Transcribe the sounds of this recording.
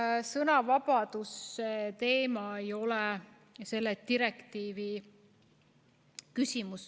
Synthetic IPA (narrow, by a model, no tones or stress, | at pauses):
sɤnɑvɑb̥ɑd̪̥usːet̪e̞ːmɑejo̞lɛ | se̞lːet̪iɾekt̪iːvi | kysʲimus